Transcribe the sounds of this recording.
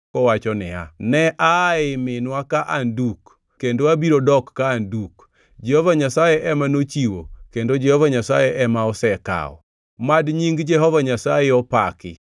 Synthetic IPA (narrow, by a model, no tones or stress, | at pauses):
kɔwat͡ʃɔnɪa̰nɛʔaɪmɪnwakaʔanduk | kːendoabiɾodɔkːaːnduk | d͡ʒɛhovaɲasajeʔɛmanot͡ʃiwokendod͡ʒɛhɔvaɲasajɛʔɛmaɔsɛka̰ɔ̰ | madɲiŋɡd͡ʒɛɦɔvaɲasajɛɔpakɪ̰